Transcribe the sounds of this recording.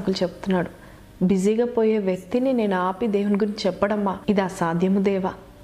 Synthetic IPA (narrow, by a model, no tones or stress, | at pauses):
kulut͡ʃebu̥t̪unːaːɽu | biziɡaːpoːjeːʋjɐk̚t̪inine̞ːnuaːpid̪eːwunɡuɾiɲt͡ʃit͡ʃɛpːɐɽɐmːaːid̪aːsaːd̪ʱjɐmud̪ɛːʋaː